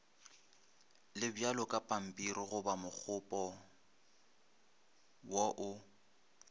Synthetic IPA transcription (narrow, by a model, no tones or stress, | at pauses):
lɪbjalɔkʼapʼam̩pʼiɾiɣʊbamʊk͡xʰʊpʼɔ | wɔʔʊ